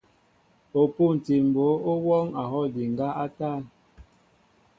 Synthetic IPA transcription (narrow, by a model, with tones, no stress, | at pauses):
o˨pu˦˨n̩˨ti˨m̩˨bo˨˦o˦wɔ˦ŋa˨ɦɔ˦˨di˨ŋ˨ɡa˦ʔa˦ta˦˨